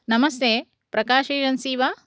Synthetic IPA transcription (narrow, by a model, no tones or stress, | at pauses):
nɐmɐst̪ʰeː | pɾɐkaːʃeːd͡ʒɐnsiːʋaː